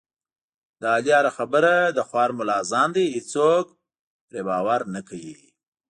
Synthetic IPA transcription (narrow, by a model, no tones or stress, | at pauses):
d̪əɑljɑɾaxabəɾad̪əxwɑɾmʊlɑzɑnd̪ihit͡sok̚ | pɾebɑwaɾnakawi